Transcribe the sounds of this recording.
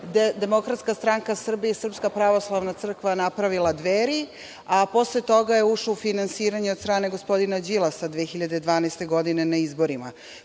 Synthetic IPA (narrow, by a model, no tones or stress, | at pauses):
d̪e̞mo̞kɾat̪skast̪ɾaːŋkasr̩biesr̩pskapɾaʋo̞slˠaʋnat̪sr̩kʋanapɾaʋilˠad̪ʋeːɾi | apo̞slet̪o̞ɡaje̞uʂlaufinansiːɾaɲeo̞d̪st̪ɾaːneɡo̞spo̞d̪inad͡ʑilˠasad̪ʋeːxiʎad̪ed̪ʋaːnast̪e̞ɡo̞d̪ine̞naizbo̞ɾima